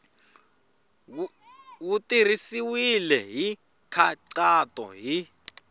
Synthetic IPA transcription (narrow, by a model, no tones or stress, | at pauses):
wutirisiwilɛɦi | kʰaǀatɔ̰ɦi